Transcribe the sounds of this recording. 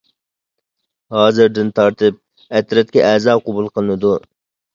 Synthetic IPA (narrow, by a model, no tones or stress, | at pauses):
hɑːzɪɾd̪ɪnt̪ʰɑɾt̪ʰɪp̚ | ɛt̪ɾɛt̪̚kʲɛʔæːzɑːqobulˠqʰəlˠɨnɨd̪u